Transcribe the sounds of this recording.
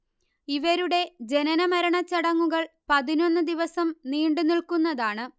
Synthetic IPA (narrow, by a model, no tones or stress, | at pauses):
iʋɐɾuɽe̞d͡ʑe̞nɐnɐmɐɾɐɳɐt͡ɕːɐɽɐŋːuɣɐɭpɐðino̞nːɨd̪iʋɐsɐmniːɳɖɨniɭkunːɐðaːɳɨ